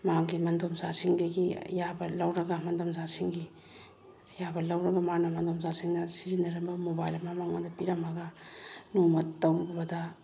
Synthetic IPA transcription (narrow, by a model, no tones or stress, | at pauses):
maŋɡimɐndomsasiŋdɐɡiɐ̰jabɐlɐwɾɐɡɐmɐndomsasiŋɡi | jabɐlɐwɾɐɡɐmanɐmɐndomsasiŋnɐsizindɐɾɐmbɐmobajlɐmamaŋadɐpiɾɐmɐɡɐnumɐtawbbɐdɐ